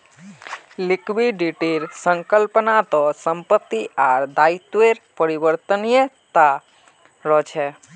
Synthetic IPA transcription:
lɪkʋiɖiʈelsə̃ŋkəlpənat̪ɔsəmpət̪ːiʔaɾd̪ait̪ʋeɾpəɾiʋəɾt̪ənijət̪a | ɾɔt͡ʃʰɛ

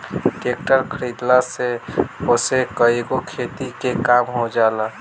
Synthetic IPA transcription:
kek̚ʈəɾkʰəɾid̪laseosekəeɡokʰet̪ikekaːmɦod͡ʒala

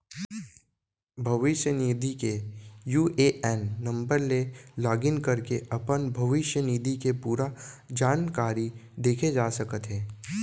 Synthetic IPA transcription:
bʱɐʋɪʃjəniːd̪ʱikejuːʔeʔɛːnːɐ̃mbəɾlelaːɡɪnkɐɾkeʔɐpənbʱɐʋɪʃjəniːd̪ʱikepuːɾad͡ʒaːnkaːɾid̪eːkʰed͡ʒaːsɐkət̪ɦɛː

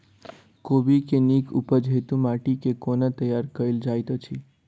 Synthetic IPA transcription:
kobikenikʰṵpəd͡ʒɦet̪ũmaʈikekonat̪əjaɾkəild͡ʒajt̪ət͡ʃʰi

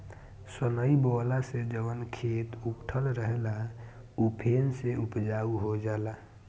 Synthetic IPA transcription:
sənəibɔːlased͡ʒəbənkʰeːt̪upʈʰəlɾəɦela | upʰeːnseupd͡ʒauɦod͡ʒala

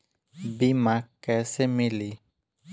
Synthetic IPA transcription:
bimãkɛsemĩli

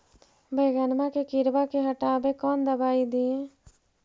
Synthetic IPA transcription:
beːɡənmãkekɪɾbakeɦɐʈaːbekɔːnd̪ɐbaːid̪iː

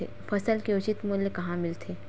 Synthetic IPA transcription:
ḛ | fɐsəlkeʊt͡ʃɪt̪muːljəkɐɦãmɪlt̪ʰeː

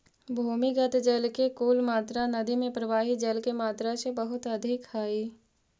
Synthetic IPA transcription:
bʱuːmiɡət̪d͡ʒəlkekuːlmaːt̪ɾanɐd̪imẽpɾəʋaːɦid͡ʒɐlkemaːt̪ɾasebəɦʊt̪ɐd̪ʱɪkhaːiː

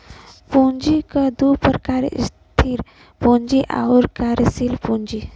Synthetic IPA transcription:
pund͡ʒikəd̪upəɾkaːɾ̰ḭst̪ʰiɾ | põnd͡ʒiʔa̰uɾkaːɾsilpũnd͡ʒi

